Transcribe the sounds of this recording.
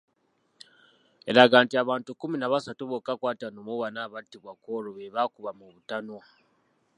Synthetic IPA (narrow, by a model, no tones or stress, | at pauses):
e̞ɾaɡaːntiaβaːntukuminaβasatuβokakwaːtanomuβanaβatːiβwakoːɾoβeβakuβamuβutano